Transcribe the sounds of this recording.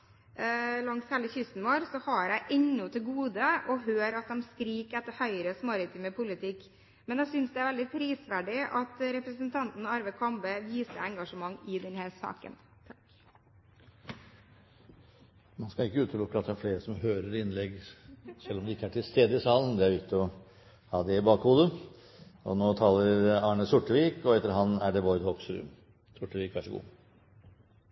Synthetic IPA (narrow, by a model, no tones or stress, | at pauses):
lɑŋshɛləçʏst̪n̩ʋoːɾsɔhɑɾæɪʔɛɲːɔt̪ʰɪlɡuːd̪əʔɔɦøːɾɑt̪̚d̪ɛmskɾiːkɛt̪ːəɾhœʏɾəsmɑɾɪt̪ʰyməpʰʊlɪt̪ʰɪkː | mɛnjæɪsʏnsd̪ɛæɾʋɛld̪ɪpʰɾiːsʋæɖɪʔɑt̪ɾɛpɾəsənt̪ʰɑnt̪n̩ɑɾʋəkʰɔmbəʋiːsəɾɛŋɡɑʂəmɑŋːɪd̪ɛnhæːɾsɑ̰ːkə̰n | mɑnskɑɪkːəʉːt̪əʊkːəɑt̪̚d̪ɛæɾfleːɾəsɔmhøːɾəɾɪnlɛɡsɛlːɔmd̪ɛɪkːəæʈʰɪlst̪eːd̪əɪsɑːlən̩d̪ɛæɾʋɪt̪ːɔ | hɑːd̪ɛɪbɑːkhuːd̪ə | ɔnoːt̪ʰɑːləɾɑːɳəsʊʈːəʋiːkɔɛt̪ːəɾəɦɑnːæɖɛʋɔʏd̪hɔksɾʉ̰ːm | sʊʈːəʋiːkʋæʂəɡṵː